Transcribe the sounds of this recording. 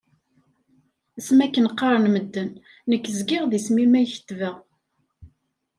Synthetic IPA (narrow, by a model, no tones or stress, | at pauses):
æsmækːənqːɑɾˤənməd̪ːənː | əkːəzɡɪʁðismimæjçə̥t̪ːvæ